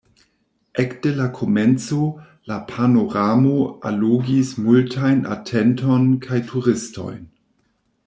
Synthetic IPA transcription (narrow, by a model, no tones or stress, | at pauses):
ʔɛkd̥elakʰo̞mɛnt͡so | lapʰanoʁamoa̰luɡismultʰajna̰tʰɛntʰonkʰajtʰuʁɪsto̰jn